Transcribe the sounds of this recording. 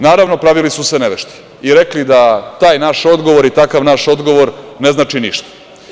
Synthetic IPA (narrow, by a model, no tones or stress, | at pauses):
naːɾaʋnopɾaʋilisuseneʋeʃt̪i̥ | iɾeklid̪at̪aːjnaʃo̞d̪ɡo̞ʋo̞ɾit̪akaʋnaʃo̞d̪ɡo̞ʋo̞ɾne̞znaːt͡ʂiniʃt̪ḁ